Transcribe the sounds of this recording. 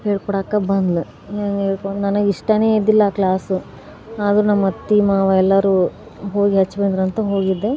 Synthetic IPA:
heːɭkɔɽaːkːɐbɐnd̪lu | eːŋɡeːɭkonɐnɐɡiʂʈɐne̞ːid̪ilːɐːklaːsu | aːd̪ɐɾunɐmːɐt̪ːimaːʋɐɛlːɐɾuː | ɦo̞ːɡiɦɐt͡ʃːbeɳd̪ɾɐnt̪ɐɦo̞ːɡid̪ːe

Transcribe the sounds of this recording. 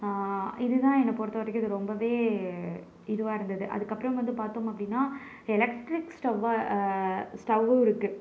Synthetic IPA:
ɪðɯt̪ãːɛnːɐpoːɽt̪ːɐʋɐɾɐkːɯɐðɯɾɔmbɐʋeː | ɪðɯʋaːɪɾɯnd̪ɐðɯʔɐ̰ðɯkːɐpːɾɐ̃mʋɐnd̪ɯpaːɾt̪oːmɐpːɽɪnːaː | ɛlɛkʈɾɪksʈɐʋ | sʈɐʋɯɪɾɯkːɯ

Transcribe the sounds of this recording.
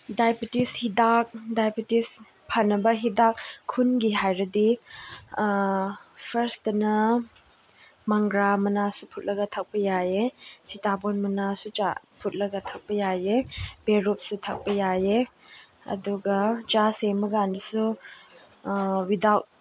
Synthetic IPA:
dajpitishidak̚dajpitis | pʰɐnːɐbɐɦidak̚kʰːunɡiɦajɾɐdi | pʰɐɾsdɐnɐ | mɐŋɡɾamɐnasupʰut̚lɐɡɐtʰɐk̚pɐjajesitabonmɐnasut͡ʃa̰ | pʰut̚lɐɡɐtʰɐk̚pɐjajeb̥eɾop̚sutʰɐk̚pɐjaje | ɐ̰duɡɐt͡ʃasemɐɡandɐsu | widawt̚

